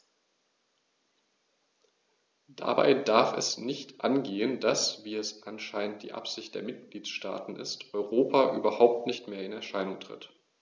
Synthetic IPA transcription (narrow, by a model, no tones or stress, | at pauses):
d̥a̰ba̰ɪdaɐfɛ̰snɪçtʔa̰nɡeːəndasv̥iːɛsʔanʃaɪnənt̚d̥ḭːʔa̰pz̥ɪçt̚d̥eːɐmɪt̚ɡ̥liːt͡sʃta̰ːtn̩ʔɪ̰stʔɔʏʁoːpʰaʔyːbɐhaʊp̚tnɪçtmeːɐɪnɛɐʃaɪnʊŋtʁ̥ɪ̰t